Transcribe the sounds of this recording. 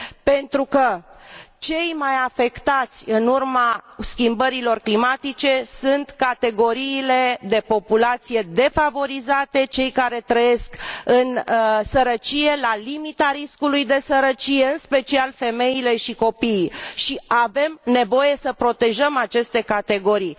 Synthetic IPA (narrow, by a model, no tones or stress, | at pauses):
pe̞nt̪ɾukə | t͡ʃe̞jmajafe̞kt̪at̪sʲɨnurmaskʲimbəɾilo̞rklimat̪it͡ʃe̞sunt̪kat̪e̞ɡo̞ɾiːle̞d̪e̞po̞pulat̪sije̞d̪e̞favo̞ɾizat̪e̞t͡ʃe̞jkaɾe̞t̪ɾəje̞skɨnsəɾət͡ʃije̞lalimit̪aɾiskulujd̪e̞səɾət͡ʃije̞ɨnspe̞t͡ʃialfe̞me̞jile̞ʃiko̞pijʃiave̞mne̞vo̞je̞səpɾo̞t̪e̞ʒəmat͡ʃe̞st̪e̞kat̪e̞ɡo̞ɾij